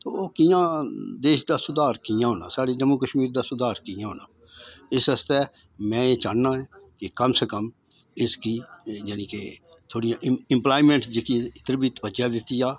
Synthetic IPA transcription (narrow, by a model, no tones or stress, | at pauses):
t̪oːoːkɪjãːd̪eːʃd̪aːsʊd̪aːɾkɪjãːɦoːnã̰ːsaːɽiːd͡ʒəmːuːkəʃmiːɾd̪aːsʊd̪aːɾkɪjãːɦoːnaː | ɪsəst̪ɛː | mɛ̃ːeːt͡ʃaːnnãːɛːkɪkəmsəkəm | ɪskiːd͡ʒənĩːkeː | t̪ʰoːɽijãʔɪ̃mplaːimẽːɳʈd͡ʒeːkiɪt̪əɾbiːt̪pəd͡ʒjaːd̪ɪt̪ːiːjaː